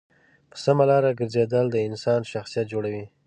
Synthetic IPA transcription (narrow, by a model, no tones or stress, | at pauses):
pəsamalɑɾaɡəɾzed̪əld̪əɪnsɑnʃaxsijat̪̚d͡ʒoɽawi